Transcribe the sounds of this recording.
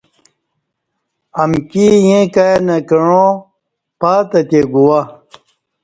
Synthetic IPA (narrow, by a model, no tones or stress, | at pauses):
ɐmkijẽkajnɐkɐɻõ | paːt̪ɐt̪eɡuwa